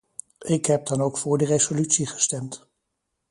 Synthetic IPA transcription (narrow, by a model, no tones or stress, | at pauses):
ɪkɦɛp̚dɑnowkfʊːɹdərezolytsiχə̥stɛmt